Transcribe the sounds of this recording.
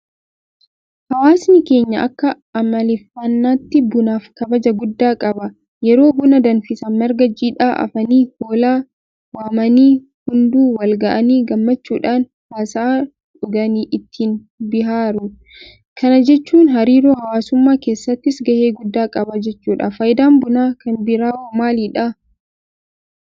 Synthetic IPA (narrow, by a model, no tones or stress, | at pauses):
hɐwaːsnɪke̞ːɲːɐʔɐkːɐ | ɐmɐlɪfɐnːaːt̪ːɪbʊnaːfkɐbɐd͡ʒɐɡʊd̪ːaːkʼɐbɐ | jɛɾo̞ːbʊnɐd̪ɐnfɪsɐnmɛɾɡɐd͡ʒiːᶑaːʔɐ̰fɐniːhoːlaː | waːmɐniː | hʊnd̪uːwɐlɡɐʔɐniːɡɐmːɐt͡ʃːuːᶑaːn | waːsɐː | ᶑʊɡɐniːʔɪt̪ʰːiːn | bɪɦaːɾʊ | kʰɐnɐd͡ʒɛt͡ʃːuːnɦɐɾiːɾoːhɐwaːsʊmːaːke̞ːsːɐt̪ːɪsɡɐheːɡʊd̪ːaːkʼɐbɐd͡ʒɛt͡ʃːuːᶑɐfɐjd̪aːmbʊnaːkɐnbɪɾaːwɐmaːliːᶑɐ